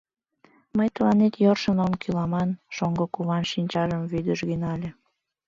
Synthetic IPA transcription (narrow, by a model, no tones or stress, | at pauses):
məjt̪əlɑnet̪jorʃənomkylɑmɑnʃoŋɡokuβɑnʃinʲt͡ɕɑʒəmvyd̪əʃɡinɑlʲe